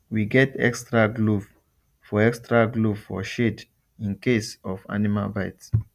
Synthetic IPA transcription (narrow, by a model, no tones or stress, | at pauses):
wiɡɛtɛ̰kstɹaɡluv | fɔɛkstɹaɡlufɔ̰ʃed | ĩnkesɔva̰nima̰lbaɪts